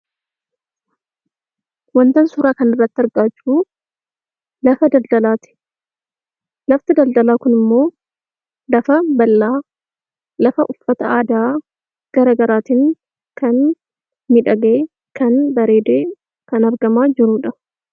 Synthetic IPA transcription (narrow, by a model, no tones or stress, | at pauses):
wɐnt̪ɐnsʊːɾaːkɐnɪrːɐt̪ːɪɐɾɡaːt͡ʃːuː | lɐfɐd̪ɐld̪ɐlaːt̪ɪ̥ | lɐft̪ɪd̪ɐld̪ɐlaːkʊnɪmːo̞ː | lɐfɐbɐlːaː | lɐfɐʔʊfːɐt̪ɐaːd̪aː | ɡ̥ɐɾaːɡɐɾaːt̪iːŋ | kɐn | mɪᶑɐɡɐe | kɐnbɐɾe̞ːd̪eː | kɐnɐɾɡɐmaːd͡ʒɪɾuːᶑɐ